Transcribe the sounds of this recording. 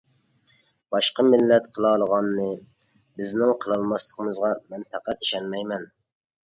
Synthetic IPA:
b̥ɑʃqəmɪlːɛt̪qʰəlˠɑːlˠəʁɑnːɨ | bɪznɪŋqʰəlˠɑlˠmɑslˠəqəmɨzʁɑmɛnpɛqæt̪iʃɛnmɛjmɛn

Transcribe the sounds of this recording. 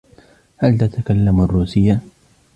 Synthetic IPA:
halt̪at̪akalːamarːuːsɪjːa

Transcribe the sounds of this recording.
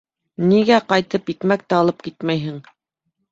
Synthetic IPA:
niɡæqɑjt̪ɤpjit̪mæk̚t̪æɑlˠɤp̚kit̪mæjɦɘŋ

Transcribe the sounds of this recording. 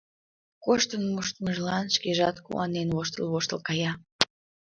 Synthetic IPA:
koʃt̪ənmuʃt̪məʒlɑnʃkeʒɑt̪kṵɑ̰nenβoʃt̪əlβoʃt̪əlkɑjɑ

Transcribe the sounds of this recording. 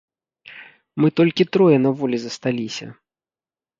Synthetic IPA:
mɨt̪ɔlʲkʲit̪ɾɔjɛnɐvɔlʲizɐst̪alʲisʲɐ̰

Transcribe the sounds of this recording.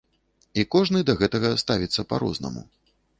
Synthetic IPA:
ikɔʐnɨd̪ɐɣɛt̪ɐɣɐst̪avʲit̪sːɐpaɾɔ̰znɐ̰mṵ

